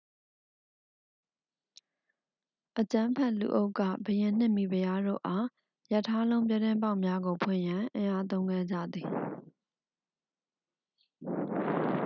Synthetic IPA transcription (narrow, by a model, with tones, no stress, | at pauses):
ʔət͡ɕã˦mpʰɛ˦ʔlṵ˨ʔo˦ʊkːä̰˦˨bəjɪ̃˨n̥ɪ̃˦˨mi˨bəja˦do̰˦˨ʔa˦ | ja˦˨tʰːa˦lõ˦ʊ̃mp̬jɛ˦˨tɪ̃˦mpa˦ʊʔmja˦ɡo˨pʰwɪ̰̃˦˨jã˨ʔɪ̃˨ʔa˦t̪̬õ˦ʊ̃ŋɡɛ˦˨d͡ʑa̰˦˨d̪i˨